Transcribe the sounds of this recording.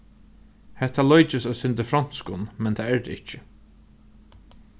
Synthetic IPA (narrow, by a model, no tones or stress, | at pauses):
hɛt̪ʰalɔjt͡ʃɪsasʏnt̪əfɾan̥skʊnmɛnt̪ʰaɛɹd̪ɪht͡ʃɪ